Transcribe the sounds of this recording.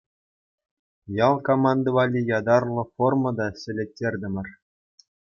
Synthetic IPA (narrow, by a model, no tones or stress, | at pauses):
jɑlˠkomɑnd̪ɤ̆ʋɑlʲijɑd̪ɑrlˠɤ̆formɤ̆d̪ɑɕɘ̆lʲĕk̚tʲːerʲdʲɘ̆mʲɘ̆r